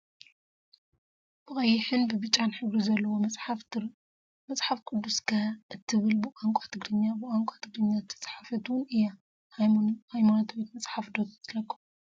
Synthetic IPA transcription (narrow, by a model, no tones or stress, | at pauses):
b̥ɨkʼɐjːɪħɨnbɨbɨt͡ʃʼanħɨβɾizɐlːɐwoaf | mɐsʼħafkʰud̪ːuskʰaʔɨt̪ʰːɨβɨlbɨʔaŋkʷʼat̪ʰɨɡɾɨɲːabɨʔaŋkʷʼat̪ʰɨɡɾɨɲːat̪ʰɐ̥t͡sʼħafɐt̪wʊnɨjːa | hajmanat̪ʰwit̪mɐt͡sʼħafd̪ot̪ʰt̪lɐkːu